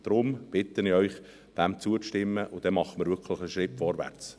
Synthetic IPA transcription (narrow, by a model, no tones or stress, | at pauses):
d̥ɾʊmb̥ɪt̪ənɪœʏχ | d̪̥æmt͡suət͡sʃtɪmːəʔʊd̥̪ɛmɑχəmɪɾvʏɾkʰlɪχəʃɾɪpfɔɾvæ̰ɾt͡s